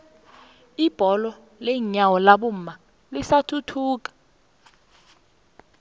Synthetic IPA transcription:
ib̥ʱɔlɔ | lɛɲawɔlaɓum̩ma | lisatʰutʰuːk̬ʼḁ

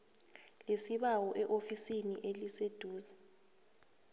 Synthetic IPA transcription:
lesiɓawɔʔɛʔofisiniʔelised̥ʱuːzḁ

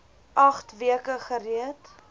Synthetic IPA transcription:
ʔɐχtviəkəχəriət

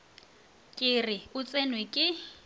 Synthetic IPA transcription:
kʼɪrɪʊt͡sʼenwekʼɪ

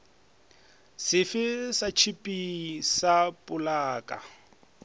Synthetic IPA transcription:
sɪfɪsat͡ʃʰipʼisapʼʊlaːkʼa̰

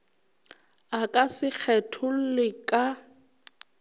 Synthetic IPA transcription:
akʼasɪk͡xʰɛtʰʊl̩lɪkʼa

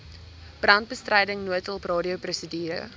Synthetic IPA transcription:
b̥rɐnt̚bəstrəjdəŋnuətəlˠprɑːdiəprusədiːɾə̰

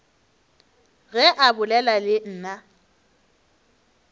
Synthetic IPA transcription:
ɣɛʔabʊlɛlalɪn̩ːna

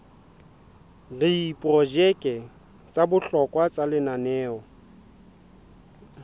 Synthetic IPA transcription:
diipʼɔd͡ʒɛkʼɛ | t͡sʼabʊɬɔkʼwat͡sʼalɪnanɛːɔ

